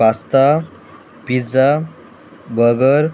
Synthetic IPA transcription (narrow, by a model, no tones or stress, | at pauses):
ast̪a | pid͡za | bʱəɡəɾ